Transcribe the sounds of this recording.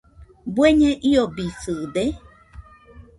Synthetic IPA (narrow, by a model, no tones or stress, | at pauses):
bweɲẽʔiobisɨd̪e